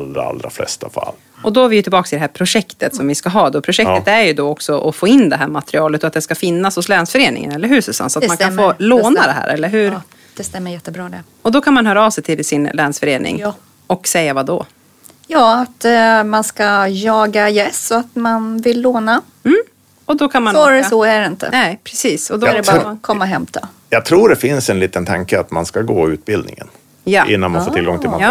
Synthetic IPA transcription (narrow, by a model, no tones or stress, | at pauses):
lɾa̰a̰lɾa̰flɛ̰st̪afa̰lː | ɔd̪ɔæɾvɪjɵt̪ɪlbɑːksɪd̪ɛɦæɾpʰɾʊʂɛkt̪ət̪sɔmvɪskaɦɑːd̪ɔpʰɾʊʂɛk̚t̪ət̪æɾjɵd̪ɔɔksɔʔɔfoːɪnːd̪ɛɦæːɾmat̪ɾɪɑːlət̪ɔat̪d̪ɛskafɪnːashʊslɛːnsfœɾeːnɪ̰ŋə̰nɛlːəɾɦʉːsɵsa̰nsɔat̪mankanfoːloːnad̪ɛɦæ̰ːɾɛlːəɾɦɵɾ | d̥̪ɛst̪ɛmːəjɛt̪ːəbɾɑːd̪ɛ | ɔd̪ɔkʰanmanɦœːɾaɑːvsɛjt̪ʰɪlsɪnlɛːnsfœɾeːnɪ̰ŋ | ɔksɛjːavad̪ɔ | jɑːat̪manskajɑːɡajɛsɔat̪manvɪlːoːna | m̩ː | ɔd̪ɔkʰanmanːɾɔæɾɪnt̪ə̰nɛpʰɾɛsiːsɔd̪ɔɛkʰɔmːaɦɛmt̪a | jɑɡ̚t̪ʰɾuːɖɛfɪnsɛnliːt̪ənt̪ʰa̰ŋkəat̪ma̰nskaɡoːʉ̟ːt̪̚bɪld̪nɪ̰ŋə̰n | jaʔɪ̰nːanma̰nfːtʰɪlɡɔŋt̪ɪla̰